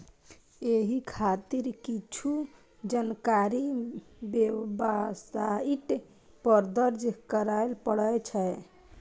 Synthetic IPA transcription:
eɦikʰat̪iɾkit͡ʃʰu | d͡ʒankaɾibebasaiʈ | pəɾd̪əɾd͡ʒkəɾajlpəɽəjt͡ʃʰɛ

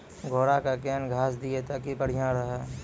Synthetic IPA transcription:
ɡʱoːɽakakɛːnɡʱaːsd̪ɪet̪akipəɽ̤ijãɾɐɦaː

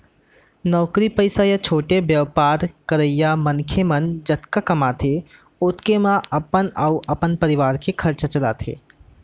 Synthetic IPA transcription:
nɔːkɾipəɪsajat͡ʃʰoːʈebjɐʋpaːɾkɐɾəjamɐnkʰemɐnd͡ʒɐt̪kakɐmaːt̪ʰe | ʊt̪kemãɐpənauʔɐpənpɐɾɪʋaːɾkekʰɐɾt͡ʃət͡ʃɐla̰ːt̪ʰḛː

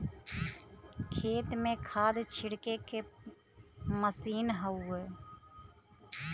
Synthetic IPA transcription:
kʰeːt̪mẽkʰaːd̪t͡ʃʰɪɽkeke | məsiːnɦəueː

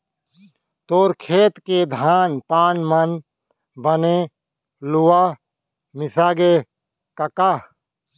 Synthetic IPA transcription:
t̪oːɾkʰeːt̪ked̪ʱaːnpaːnmən | bəne | lʊwaː | mɪsaːɡe | kəkaː

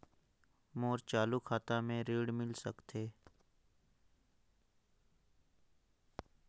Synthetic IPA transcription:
moːɾt͡ʃaːlukʰaːt̪ãmẽɾeːɽmɪlsəkt̪ʰeː

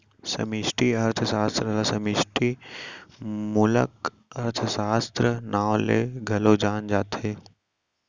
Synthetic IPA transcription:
sɐ̰miʃʈiɐɾt̪ʰəsaːst̪ɾəlasɐmɪʃʈi | mʊlə̰k | ɐɾt̪ʰəsaːst̪ɾənaːwlḛːɡʱɐlod͡ʒaːnd͡ʒaːt̪eː

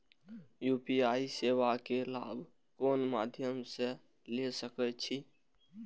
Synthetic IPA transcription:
jupiaisewakela̰ːbʱ | koːnma̰d̪ʱjəmsẽ | lesəkɛt͡ʃʰi

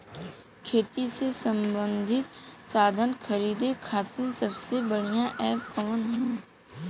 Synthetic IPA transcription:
kʰeːt̪isesə̃mbə̃nd̪ʱɪt̪saːd̪ʱənxʰəɾiːd̪ekʰaːt̪ə̃nsəbsebəɽ̤ijãʔɛːpkəmənɦɛ̃ː

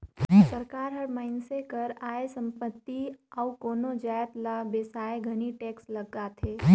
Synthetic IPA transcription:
sɐɾkaːɾɦɐɾmaɪnsekɐɾaːesɐ̃mpət̪ːiawkoːnod͡ʒaːjət̪labeːsaːjeɡʱɐniʈeːkslɐɡaːt̪ʰeː

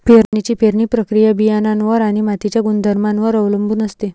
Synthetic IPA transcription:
peɾnit͡ɕipeɾɳiːpɾəkɾijabijananʋəɾaɽ̃imat̪it͡ɕjaɡund̪ʱəɾmanʋəɾəʋləmbunəst̪e

